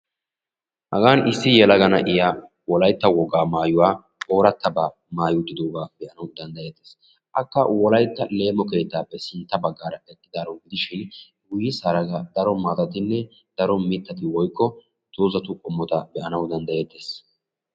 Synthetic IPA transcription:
hɐ̰ɡaːnɪsːɪjɛlɐɡɐnɐ̰ʔɪja | wɔlɐjt̪ːɐwɔɡaːmaːjʊwaː | o̞ːɾɐt̪ːɐbaː | maːjʊd̪ːɪd̪oːɡaːb̥ɛʔɐnɐwd̪ɐnd̪ɐje̞ːt̪ːeːs | ʔɐkːɐwɔlɐjt̪ːɐle̞ːmɔke̞ːt̪ːaːpːɛsɪnt̪ːɐbɐɡːaːɾɐɛkʼːɪd̪aːɾɐwɡɪd̪ɪʃɪn | ɡʊjːɪsaɾɐɡɐd̪ɐɾɔmaːt̪ɐt̪ɪnːɛ | d̪̥ɐɾɔmɪt̪ːɐt̪ɪwɔjkːɔ | t̪uːzɐt̪ʊkʼɔmːɔt̪ɐbɛʔɐnɐwd̪ɐnd̪ɐje̞ːt̪ːeːs

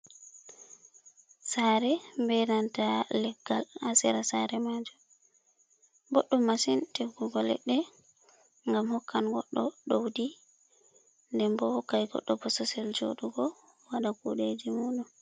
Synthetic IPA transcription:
saːɾɛmbɛnantalɛɡ̥ːalasɛɾasaɾɛmad͡ʒu | bɔɗːumːasinteɡuɡɔlɛ̰ɗːɛ | ŋɡamhɔkːanɡɔɗːɔɗowdi | ndɛmbɔkːajɡɔ̰ɗːɔpɔsɔsɛld͡ʒo̰ɗuɡɔ | waɗakuɗed͡ʒimuːɗum

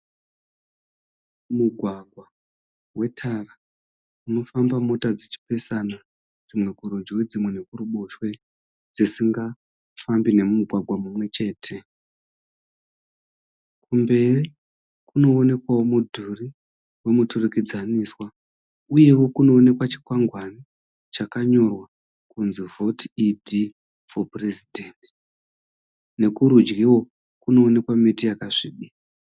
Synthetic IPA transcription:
muɡʱwaɡʱwa | we̞tʰara | uno̞fambamo̞tad͡zet͡ʃi̥pe̞sana | d͡zimwe̞kuɾod͡ʒiwed͡zimwe̞ne̞kuruɓo̞ʃwe̞ | d͡zisiŋɡa | fambine̞mumuɡʱwaɡʱwamumwe̞t͡ʃe̞ːtʰe̞ | kumbe̞ri | kuno̞ːne̞kwawomudʱuri | we̞muturukid͡zaniswa | uje̞wo̞kuno̞ːne̞kwat͡ʃi̥kwaŋɡwani | t͡ʃakaɲo̞rwa | kunzivo̞tʰiidʱi | foprezidʱenti | ne̞kuɾud͡ʒɡiwo̞ | kuno̞ːne̞kwamitijakaʐiːɗi

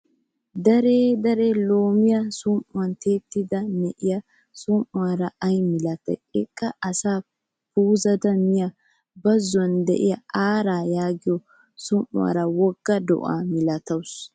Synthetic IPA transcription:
d̪ɐɾeːd̪ɐɾelo̞ːmɪjɐsʊmʔʊwɐnt̪ʰe̞ːt̪ːɪd̪ɐnɛʔɪjɐ | sʊmʔʊwaɾɐɐjmɪlɐt̪ːɐ̰jɪkʼːɐɐsaː | puːzɐd̪ɐmɪjɐ | bɐzːʊɐnd̪ɛ̰ʔɪjɐaːɾaːjaːɡɪjɔ | sʊmʔʊ̰wa̰ːɾɐwɔɡ̥ːɐd̪ɔ̰ʔa̰ːmɪlɐt̪ɐws

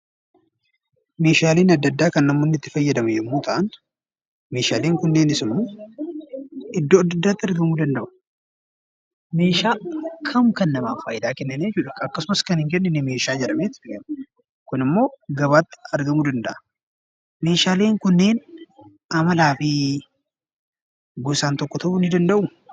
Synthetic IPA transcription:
me̞ːʃaːleːnɐd̪ːɐd̪ːaːkɐnːɐmːoːnːɪt̪ːɪ̥fɐjːɐd̪ɐmɐjɛmːoːt̪ʰɐʔɐn | me̞ːʃaːleːŋkʊnːe̞ːnɪsɪmːoː | ɪd̪ːoːɐd̪ːɐd̪ːaːt̪ːɪɐɾɡɐmuːd̪ɐnd̪ɐʔʊ̥ | me̞ːʃaːkʰɐmkɐnːɐmaːfaːjɪd̪aːkɛnːɪnejɛt͡ʃuːᶑɐɐkːɐsʊmɐskɐnhɪŋk̬ɛnːɪnɪme̞ːʃaːd͡ʒɛᶑɐmeːt̪ɪɡɐn | kʊnɪmːo̞ːɡɐβaːt̪ːɪ̥ɐɾɡɐmuːd̪ɐnd̪ɐʔɐ | me̞ːʃaːle̞ːŋkʊnːe̞ːn | ɐmɐlaːfiː | ɡʊsaːnt̪ɔkːɔt̪ɐʔʊnːɪd̪ɐnd̪ɐʔʊ

